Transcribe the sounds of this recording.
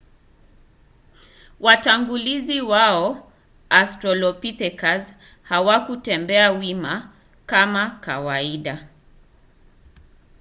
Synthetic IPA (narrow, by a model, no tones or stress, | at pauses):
wataŋɡuliziwaɔ | astɾɔlɔpitɛkaz | hawakutɛmbɛawima | kamaka̰waiɗa